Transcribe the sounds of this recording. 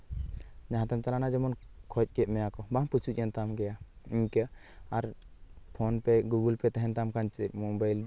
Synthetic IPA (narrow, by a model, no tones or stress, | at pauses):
d͡ʒaɦãt̪amt͡ʃalanad͡ʒɔmɔnkʰɔc̚ˀkɛʔ̚mɛjakɔbaŋput͡ʃʰuc̚ˀɛnt̪amɡɛja | iɲkə | aɾpʰɔnpɛɡuɡulpɛt̪aɦɛnt̪amkaɲt͡ʃɛʔmɔbajl